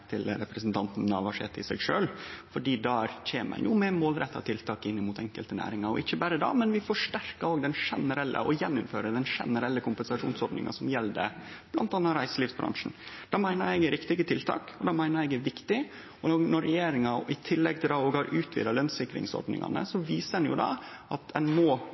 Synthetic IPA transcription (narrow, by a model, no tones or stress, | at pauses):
t̪ʰɪlɾɛpɾəsnt̪ʰɑnt̪n̩ːɑʋɑʂḛːt̪ɪsɛɡʂøːlfɔɖiːd̪ɑc͡çeːmə̰njʔʊmɛmoːlɾɛt̪ːɑ̰t̪ʰɪlt̪ʰɑːkɪnːɪmuːt̪ʰɛŋkəlt̪ənæ̰ːɾɪŋɑɾɔɪçːəbæːɾəd̪ɑ̰ːmɛnʋɪfɔʂʈæɾkɑoːɡd̪ɛnʂɛnəɾɛlːʔə̰ɔjɛnːʊmføːɾəd̪ɛnʂɛ̰nəɾɛlːəkʰʊmpənsɑʂṵːnsɔɾɖ̪nɪ̰ŋɑ̰sɔmjɛlːd̪ə̰b̥lɑ̰nt̪ɑnːɑɾæɪsəlɪːfsbɾɑ̰ŋʂn̩d̪̥ɑmæɪnəɾɛɪɡɾɪkt̪ɪɡət̪ʰɪlt̪ʰɑ̰ːkɔd̪ɑmæɪnəɾɛɡæʋɪkt̪ɪ | ɔnɔɾːɛjeːɾɪŋɑɪt̪ʰɪlːɛɡ̚t̪ʰɪld̪ɑoːɡhɑɾʔʉːt̪ʰʋḭːd̪ɑlœnsɪkːɾɪ̰ŋsɔ̰ɾɖnɪ̰ŋɑ̰nə̰sɔʋiːsəɛnjʊ̰d̪ɑ̰ | ʔɑt̪ɛnmɔ